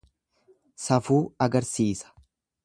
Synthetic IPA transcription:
sɐfuːɐɡɐɾsiːsɐ̥

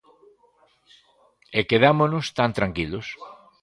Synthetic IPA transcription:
ekeðamonʊst̪ant̪ɾaŋkilos

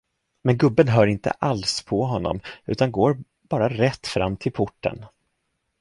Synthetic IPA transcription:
mɛnɡɵbːənɦœːɾɪnt̪ə̰ʔalspʰɔɦɔnːɔ̰mʉ̟ːt̪anɡoːɾ | b̥ɑːɾaɾɛt̪ːfɾa̰mːt̪ʰɪlpʰʊʈːə̰n

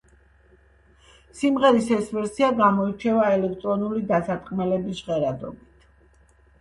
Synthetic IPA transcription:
simʁɛɾisɛsvɛɾsiaɡamɔit͡ʃʰɛvaɛlɛkʰt̪ʼɾɔnulid̪asat̪ʼqʼmɛlɛbisʁɛɾad̪ɔ̰bit̪ʰ

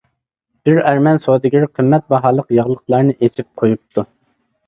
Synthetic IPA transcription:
b̥ɪɾæɾmɛnsod̪ɪɡʲiɾqʰəmːɛt̪̚bɑɦɑːlˠəqjɑʁlˠəqlˠɑɾnɨʔesɪp̚qʰojup̚t̪ʰu

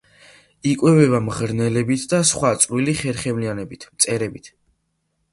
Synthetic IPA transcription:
ikʼwɛvɛβamʁɾnɛlɛbit̪ʰd̪asχwat̪sʼɾiliχɛɾχɛmlianɛbit̪ʰmt̪sʼɛɾɛbit̪ʰ

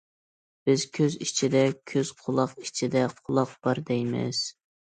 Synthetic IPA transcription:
b̥ɪz̥kʲʰøzit͡ʃʰid̪ɛkʲʰøz̥qʰʊlˠɑqit͡ʃʰid̪ɛqʰʊlˠɑqb̥ɑɾd̪ɛjmɪ̰z̥

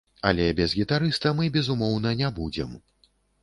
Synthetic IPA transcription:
ɐ̰lʲɛbʲɛzɣʲit̪aɾɨst̪ɐmɨbʲɛzumɔwn̪ɐnʲabud͡zʲɛm

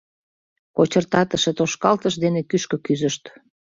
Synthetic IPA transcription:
kot͡ɕərt̪ɑt̪əʃet̪oʃkɑlt̪əʃd̪enekyʃkøkyzəʃt̪

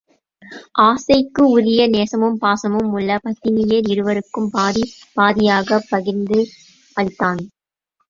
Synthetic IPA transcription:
ʔaːsɐɪkːɯʊɾɪjɐneːsɐmɯmpaːsɐmɯmʊɭːɐpɐt̪ːɪnɪjɐɾɪɾɯʋɐɾɯkːɯmpaːðipaːðɪjaːɣɐpːɐɣɪɾnd̪ɯ | ɐlt̪ːaːn

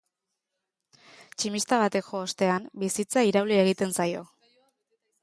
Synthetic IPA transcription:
t͡ʃimist̪aβ̞at̪e̞kʝoːst̪e̞ambisit͡saiɾawlie̞ɣ̞it̪e̞nsajo̞

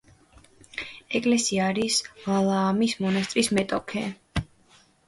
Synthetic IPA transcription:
ɛkʼlɛsiaɾisvalˠaːmismɔnast̪ʼɾismɛt̪ʼɔkʰɛ

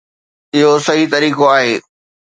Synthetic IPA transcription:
ɪɦosɐɦit̪ɐɾiːkoaːɦeː

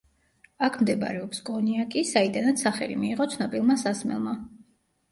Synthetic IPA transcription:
akʰmd̪ɛb̰ɾɛɔpsɡʼɔniakʼisaid̪anat̪saχɛ̰lḭmiːʁɔt̪sʰnɔpʼilˠmasasmɛ̰lˠma

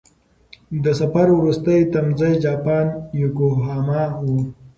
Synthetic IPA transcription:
d̪əsafaɾwɾust̪əjt̪amzajd͡ʒɑːpɑːnjukoɦɑːmɑwu

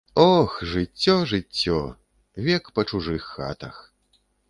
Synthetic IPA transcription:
ɔxʐɨt͡sʲːɔʐɨt͡sʲːɔ̰ | vʲɛkpɐt͡ʂuʐɨxːa̰t̪ɐ̰x

